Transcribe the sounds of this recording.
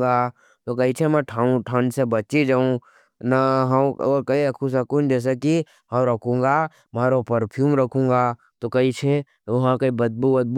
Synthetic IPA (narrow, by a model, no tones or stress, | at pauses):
ɡa | t̪okɐit͡ʃʰemɛ̃ʈʰaũʈʰãːnsebɐt͡ʃid͡ʒaːũ | nɐɦɐoːɾkɐiɐkʰũs̬ɐkũnd͡ʒɛːs̬eki | ɦɐɾɐkʰũːŋ̆ɡa | maːɾopɐɾpʰjuːmɾɐkʰũːŋɡa | t̪okɐit͡ʃʰe | ʋɐɦãkɐibɐd̪̚bubəd̪̚b